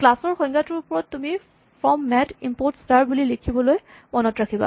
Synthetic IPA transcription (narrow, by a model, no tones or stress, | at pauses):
klasɔɹxɔjŋɡatʊɹʊpɔɹɔtːumi | pʰɔmːɛtimpoɹtstaɹbulilekʰibɔloj | mɔnɔtɹakʰiba̰